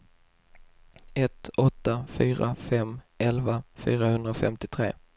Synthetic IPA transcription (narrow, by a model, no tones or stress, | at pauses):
ɛt̪ɔt̪ːafyːɾa̰fɛmʔɛlvafyːɾahɵnd̪ɾaɔfɛ̰mt̪ɪt̪ʰɾḛː